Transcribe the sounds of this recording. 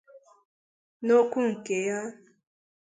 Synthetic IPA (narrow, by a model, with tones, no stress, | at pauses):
no˦kʷu˦ŋ̩˨ke˨ja˦